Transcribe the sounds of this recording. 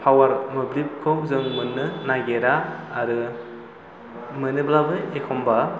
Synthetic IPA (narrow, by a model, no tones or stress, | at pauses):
pʰawaɾmɯblip̚kʰɯw̚zɯŋmɯnːɯnaɡeɾaːɾɯ | mɯnɯblabɯekʰɔmba